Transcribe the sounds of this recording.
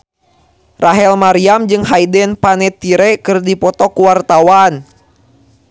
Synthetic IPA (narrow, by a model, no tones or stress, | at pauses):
raɦɛlmaɾiamd͡ʒɨŋɦajdɛnpanɛt̪iɾɛkɨrdipɔt̪ɔkuwart̪awan